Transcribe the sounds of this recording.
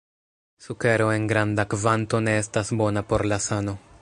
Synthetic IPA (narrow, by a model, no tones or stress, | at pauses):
suke̞ɾo̞e̞nɡɾandakvanto̞ne̞estasbo̞napo̞ɾlasano̞